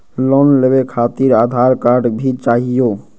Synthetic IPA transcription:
lɔnlebekʰat̪iɾaːd̪ʱaɾkaɾɖbʱit͡ʃaːɦijo

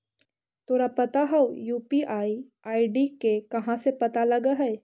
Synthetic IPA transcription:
t̪ʰoːɾapɐt̪aɦɐwjuːpiʔaːi | aːiɖikekɐɦãsepɐt̪alɐɡaɦɛː

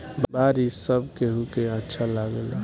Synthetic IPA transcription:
bbaɾisəbkeɦukeətːʃʰalaɡəla

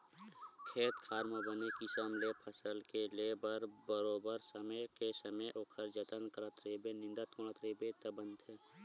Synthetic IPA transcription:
kʰeːt̪kʰaːɾməbənekisəmlepʰəsəlkelebəɾbəɾoːbəɾsəməjkesəməjʔoːkʰəɾd͡ʒət̪ənkəɾət̪ɾeːbenɪ̃nd̪ət̪kʊɽ̃at̪ɾeːbet̪əbə̃nd̪ɦɛː

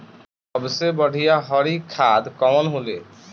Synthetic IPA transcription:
ɔbsebɔɖʱijaɦɔɾikʰad̪kɔmɔnɦole

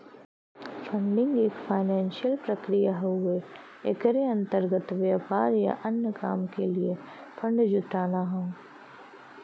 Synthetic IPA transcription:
fʰə̃ɳɖɪ̃ŋɡeːkfʰaːɪnɛ̃ːnʃijəlpɾɐkɾijaɦoɡe | ḛkəɾeɐ̃nt̪əɾɡət̪ʋjaːpaːɾja̰ʔɐnjəkaːmkelie | fʰɐ̃ɳɖd͡ʒʊt̪aːnaɦɛ̃ː

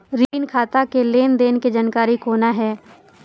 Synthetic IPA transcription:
ɾinkʰaːt̪akeleːnd̪eːnked͡ʒankaːɾikoːnaɦɛː

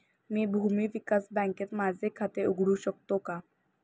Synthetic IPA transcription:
miːbʱumiːʋikasbãŋket̪mad͡zʱekʰat̪euɡʱɽuːɕək̚t̪oka

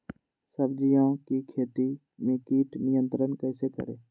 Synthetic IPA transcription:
səbd͡ʒijãːkikʰeːt̪i | mẽkiːʈnɪjənt̪ɾənkɛːsekə̰ɾḛː

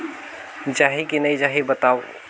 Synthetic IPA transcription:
d͡ʒaːɦikinəjd͡ʒaɦibət̪aʊ

